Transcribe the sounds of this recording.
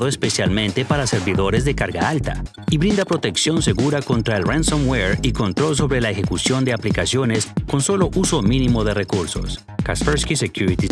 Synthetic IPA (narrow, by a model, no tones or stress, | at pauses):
ðoespe̞sjalmẽ̞nt̪e̞paɾase̞ɾβiðo̞ɾe̞zðe̞kaɾɣa̰alt̪a̰ | iβɾind̪apɾo̞t̪e̞ksjo̞nse̞ɣuɾako̞nt̪ɾaelransomweɾiko̞nt̪ɾo̞ls̬o̞βɾe̞laexe̞kusjo̞nd̪e̞aplikasjo̞ne̞sko̞nso̞lo̞ʔuso̞minimo̞ðe̞re̞kuɾso̞̰s | kaspeɾskisekjuɾit̪i